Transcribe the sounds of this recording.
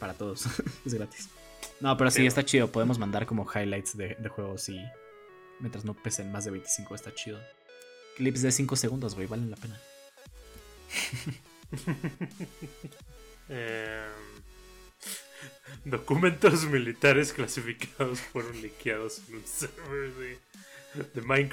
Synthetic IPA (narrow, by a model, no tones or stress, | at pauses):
paɾat̪o̞ð̞osez̬ɡɾat̪i̥s | no̞pe̞ɾosies̬t̪at͡ʃiðo̞po̞ð̞e̞mo̞zmãnd̪aɾko̞mo̞xajlajt̪sðed̪e̞xwe̞ɣ̞o̞si | mjent̪ɾazno̞pesenmazðeβe̞jnt̪i̥sĩŋko̞est̪at͡ʃiðo | klipszðe̞siŋko̞seɣund̪ozɣwejβale̞nlape̞na | e | d̪o̞kumẽnt̪ozmilit̪aɾe̞sklasifikaðosfweɾo̞nlikjað̞osenloseɾβezðe | ðemajŋk